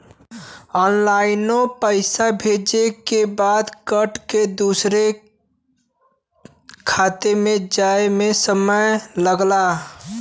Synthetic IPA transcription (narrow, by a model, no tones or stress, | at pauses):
ɔnlaɪnopəɪsabʱed͡ʒekebad̪kəʈked̪usɾe | kʰat̪emed͡ʒaemesəməjləɡla